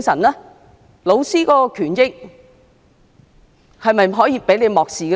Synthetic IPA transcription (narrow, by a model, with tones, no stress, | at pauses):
ŋsɐ˨˩nlɛː˥ | lo˨˧wsiː˥kɔː˨˥ɔ˧kʰyː˨˩njɪ˨k̚ | hɐ˨jmɐ˨jɦɔː˨˥jiː˨˧pe˨˥jle˨˧jmɔː˨k̚siː˨˧